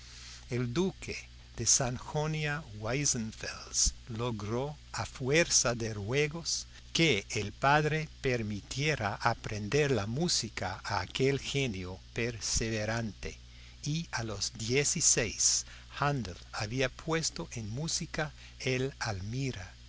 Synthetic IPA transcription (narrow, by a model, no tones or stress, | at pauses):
eld̪ukʰe | ð̥esanxonjawajsenfḛlsloɣɾo | afweɾsaðerweɣos | keːlpaðɾepeɾmit̪jeɾaʔapɾʔend̪eɾlamusikaaːkelxenjopeɾseβeɾant̪ḛ | ialozd̪jesisejs | hand̪elaβiapʰwest̪oʔenmusika | elalmiɾa